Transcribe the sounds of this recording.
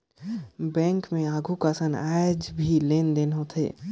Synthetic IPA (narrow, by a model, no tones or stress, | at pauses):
bɛ̃ːŋkmẽaːɡʱukasənad͡ʒbʱileːnd̪enɦot̪ʰḛː